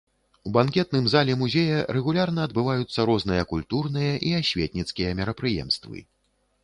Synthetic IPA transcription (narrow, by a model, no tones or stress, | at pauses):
ubankʲɛt̪̚nɨmzalʲɛmuzʲɛjɐɾɛɣulʲarn̪ɐːd̪bɨvajut̪sːɐɾɔzn̪ɨjɐkulʲt̪urnɨjɐʔiasʲvʲɛt̪̚ʲnʲit̪skʲijɐmʲɛɾɐpɾɨjɛ̰mst̪vɨ̰